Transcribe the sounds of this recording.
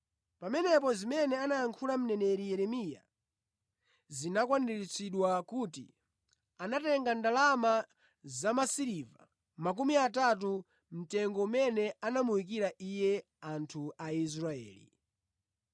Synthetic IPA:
pamɛnɛp̬ɔzimɛnɛanajaŋkʰulam̩nɛnɛɾijɛɾɛmija̰ | zinakwandiɾit͡sʰiɗwakuːtḭ | anatɛŋɡandalama | zamasiɾiva | mak̬umiat̬at̬u | m̩tɛŋɡɔumɛnɛanamuwik̬iɾaʔijɛ | antʰuais̬ɾaɛ̰ːlḭ

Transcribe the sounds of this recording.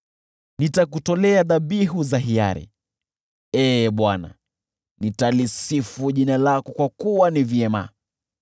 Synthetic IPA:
nitakutɔlɛaðaɓiɦuzahia̰ɾɛ̰ | ɛːɓwana̰ | nitalisifuʄinalakɔkwakuwanivjɛma̰

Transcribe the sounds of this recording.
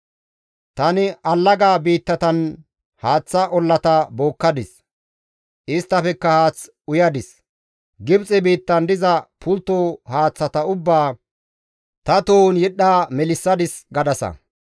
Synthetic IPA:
t̪ɐnɪʔɐlːɐɡaːbiːt̪ːɐt̪ɐn | haːt͡sːɐʔɔlːɐt̪ɐbo̞ːkːɐd̪ɪs | ʔɪst̪ːɐfɛkːɐhaːt͡s | ʊjɐd̪ɪs | ɡɪbt͡sʼɛbiːt̪ːɐnd̪ɪzɐpʰʊlt̪ːoːhaːt͡sːɐt̪ɐʊbːaː | t̪ɐt̪oːnjɪɗːaːmɛlɪsːɐd̪ɪsɡɐd̪ɐsɐ̰

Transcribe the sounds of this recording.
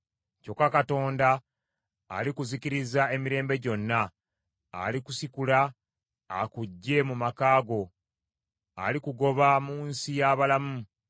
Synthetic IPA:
co̞kːakato̞ːnda̰ː | likuziciɾizae̞miɾe̞ːmbe̞ɟo̞nːa̰ː | likusikula̰ː | kuɟːe̞mumakaːɡo̞ | a̰likuɡo̞βamuːnsijaβalamu

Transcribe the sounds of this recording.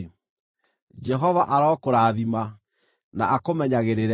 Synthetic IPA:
d͡ʒɛɦɔvaʔaɾɔːkoɾaːðima | na̰ʔakomɛɲaɣeɾeɾɛ

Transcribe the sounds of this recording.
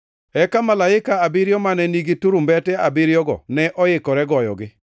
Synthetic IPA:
ɛkamalaɪkaabɪɾjɔmanɛniɡituɾumbɛtɛabɪɾjɔɡɔ̰nɛʔɔjɪkɔɾɛɡɔjɔ̰ɡɪ

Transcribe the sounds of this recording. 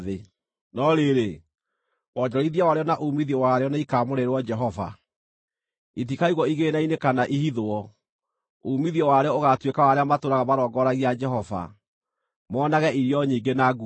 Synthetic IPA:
ðe | nɔɾeɾe | wɔd͡ʒɔɾiðiawaɾeɔnaʔoumiðiɔwaɾeɔnaikaːmoɾeɾwɔd͡ʒɛɦɔva̰ | itikaiɣwɔiɣeːnainekanaʔihiðoɔ | oumiðiɔwaɾeɔoɣatwekawaɾeamatoːɾaɣamaɾɔːɡɔɾaɣiad͡ʒɛɦɔva̰ | mɔːnaɣɛʔiɾiɔɲiːɡenaɡu

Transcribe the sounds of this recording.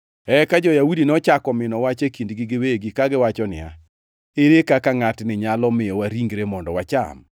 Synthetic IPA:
ɛkad͡ʒɔjaudinɔt͡ʃakɔmɪnɔwat͡ʃekindɡɪɡɪweɡikaɡɪwat͡ʃɔnɪ̰a̰ | eɾekakaŋatnɪɲalɔmɪjɔwaɾiŋɡɾemɔndɔwat͡ʃa̰m

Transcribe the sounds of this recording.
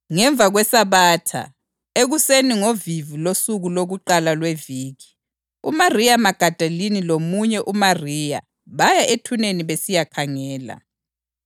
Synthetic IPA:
ŋɛɱb̪vʱaɣwɛsaβaːtʰa̰ | eɣuseniŋovivulosuɣuloɣuǃalalweviːɣi | ṵmarijamaɡ̥ʱad̥ʱalinilomuɲɛʔumariːja̰ | βajaʔetʰuneniβesijakʰaŋɛːla̰

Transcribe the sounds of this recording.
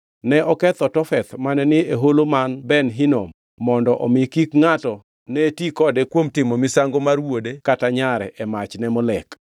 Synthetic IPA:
nɛʔɔkɛt̪ɔtɔfɛt̪manɛnɪeɦolomanbɛnɦinomː | ɔndɔʔɔ̰mɪkikŋatɔ | nɛtikɔdɛkwomtɪmɔmɪsaŋɡomarwodekataɲaɾɛ̰ʔɛmat͡ʃnɛmɔlɛk

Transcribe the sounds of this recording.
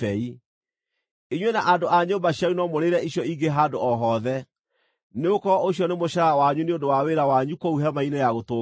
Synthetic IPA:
ɛi | iɲwenaʔandoʔaɲombaɕjaunɔmoɾeɾɛiɕjɔiɡeɦadoɔɦɔðɛ | neokɔʔoɕjɔnemoɕaɾawaɲuneondowaweɾawaɲukɔuɦɛmainejaɣotoː

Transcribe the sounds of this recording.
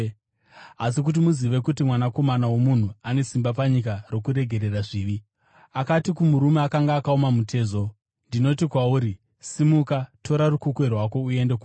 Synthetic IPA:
asik̬ut̬imuziʋe̞kutimwanako̞manawomun̤uane̞simbap̬aɲikaro̞kuɾe̞ɡʱe̞ɾe̞raʐiːʋi | akatikumuɾume̞akaŋɡaːkaomamutʰe̞ːzo̞ | ndino̞tikwauːɾi | simukatʰo̞ɾarukukwerwako̞ue̞nde̞ku

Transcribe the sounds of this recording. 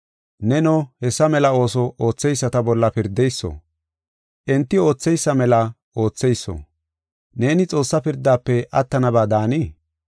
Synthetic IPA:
nɛnɔhɛsːɐmɛlɐo̞ːsɔʔoːt͡sːɛjsːɐt̪ɐbɔlːɐpɪɾd̪ːɛjsːo̰ | ʔɛnt̪ːɪo̞ːt͡sːɛjsːɐmɛlɐ | o̞ːt͡sːɛjsːo̰ | ne̞ːnɪt͡sʼo̞ːsːɐpɪɾd̪ːaːpːɛʔɐt̪ːɐnɐbaːd̪aːni

